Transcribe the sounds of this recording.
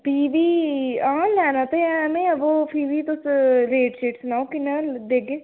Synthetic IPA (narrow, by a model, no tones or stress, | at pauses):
piːʋiːãːlɛːnãːt̪eɛmẽəʋopʰiːʋiːt̪osleːʈʃeːʈsnaːokɪnad̪eːɡeː